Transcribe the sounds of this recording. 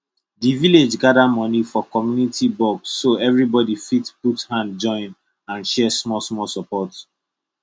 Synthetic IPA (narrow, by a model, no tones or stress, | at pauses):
diviled͡ʒɡadamɔ̃nifɔkɔmjunitibɔɡsːoɛvɹibɔdifitputhãnd̚d͡ʒɔ̃ɪ̃n | ãnʃɛsmɔsmɔsɔpɔt